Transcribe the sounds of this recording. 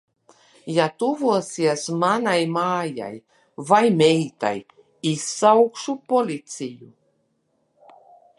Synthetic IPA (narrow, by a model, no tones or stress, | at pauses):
jat̪uvuɔsiɛsmanajmaːja̰j | vajmʲɛjt̪a̰j | isːawkʃupɔlʲit̪sʲiju